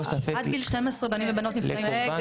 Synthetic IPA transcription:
sɐfad̪ɡilʃtemesʁebanimvebanot̪nifai

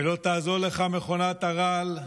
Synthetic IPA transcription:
elo̞t̪aːzo̞ʁle̞χame̞χonat̪aʁal

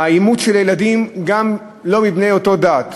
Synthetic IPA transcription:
aimutʃeljeladimɡam | lo̞mibne̞jo̞t̪o̞daːt

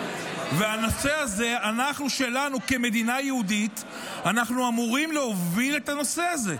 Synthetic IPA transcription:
veano̞se̞aze̞anaχnuʃe̞lanukeme̞d̪inajeud̪it̪ | anaχnuamuʁimleɦo̞vile̞t̪ano̞se̞aze̞

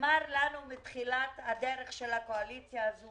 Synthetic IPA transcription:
maʁlanumet̪χilathadeʁeχʃelhakoalit͡sjaːzu

